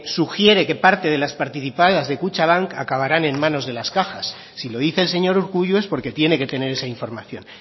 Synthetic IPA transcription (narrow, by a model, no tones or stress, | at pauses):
suxje̞ɾe̞ke̞paɾt̪e̞ð̞e̞laspaɾt̪iθipaðazðe̞kut͡ʃaβaŋkakaβ̞aɾane̞mmãno̞zðe̞laskaxasːilo̞ðiθe̞ːlse̞ɲo̞ɾuɾɣuʝue̞spo̞ɾke̞t̪je̞ne̞ke̞t̪e̞ne̞ɾe̞saiɱfo̞ɾmaθjo̞̰n